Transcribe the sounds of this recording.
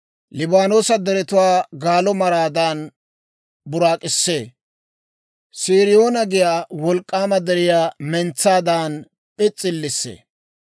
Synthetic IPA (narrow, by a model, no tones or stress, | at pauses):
lɪbaːnoːsɐd̪ɛɾɛt̪ʊwaːɡaːlɔmɐɾaːd̪aːn | bʊɾaːkʼɪsːeː | siːɾɪjo̞ːnɐɡɪjaːwɔlkʼːaːmɐd̪ɛɾɪjaːmɛnt͡sːaːd̪aːn | pʼɪt͡sʼːɪlːɪsːḛː